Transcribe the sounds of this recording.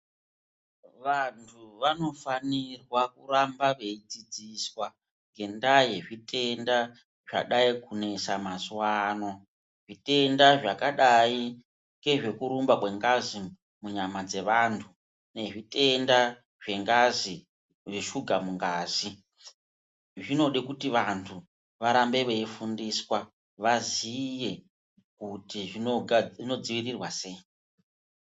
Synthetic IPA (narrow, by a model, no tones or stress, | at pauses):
ʋantʰuʋano̞fanirwakuɾambaʋe̞id͡zid͡ziswa | ŋɡe̞ndaje̞ʐitʼe̞nda | ʐ̥a̰ɗaikune̞samaswaːno | ʐite̞ndaʐakaɗai | ŋɡe̞ʐe̞kuɾumbakwe̞ŋɡazi | muɲamad͡ze̞ʋantʰu | ne̞ʐite̞nda | ʐ̥e̞ŋɡazi | ʐiʃuɡʱamuŋɡaːzi | ʐino̞ɗekutiʋantʰu | ʋaɾambe̞ʋeifundiswa | ʋazije̞ | kutiʐioino̞d͡ziʋirirwase̞ːi